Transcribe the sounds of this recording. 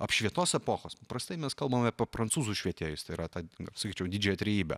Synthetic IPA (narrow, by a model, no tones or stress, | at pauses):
ɐpʃʲʋʲiɛt̪oːsɛpoːxoːspɐpɾɐst̪ɐɪmʲɛskɐlˠbɐmɐpʲpɾɐntsuːzuʃʲʋʲiɛt̪ʲeːjʊst̪ɐɪiɾɐt̪ɑːsɐkʲiːt͡ʃʲɛʊd̪ʲiːd͡ʒʲɛjɛt̪ʲɾʲɛjiːbʲɛ̰